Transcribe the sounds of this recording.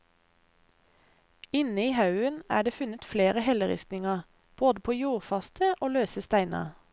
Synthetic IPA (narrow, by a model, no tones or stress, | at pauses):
ɪnəiːhɑʉənæ̰ːɖeːfʉnət̪fleːʁəhɛləʁɪ̰st̪nɪŋɑ | b̥oːd̪əpʰoːjuːʁfɑst̪ʰəʔoːløːsəst̪æɪnɑ̰